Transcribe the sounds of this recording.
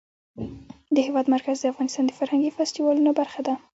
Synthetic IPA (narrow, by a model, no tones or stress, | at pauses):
d̪əhɪwɑd̪maɾkazd̪əafɣɑnɪst̪ɑnd̪əfaɾhaŋɡifast̪iwɑlunobaɾxad̪a